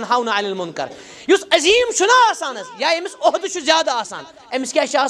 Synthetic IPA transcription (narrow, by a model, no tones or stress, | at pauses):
nɦaːwnaʕɐlɐlmʊnkɐ̰ɾ | jusɐziːmʃʰunaːaːsaːnɐsjaːemisoɦd̪uʃʰuzjaːd̪aːsa̰ːn | ɐmiskʲaːʃaː